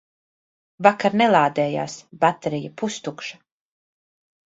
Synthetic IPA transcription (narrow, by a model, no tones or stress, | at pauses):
vakaɾnɛlˠaːd̪ɛːja̰ːsbat̪eɾijapust̪ukʃḁ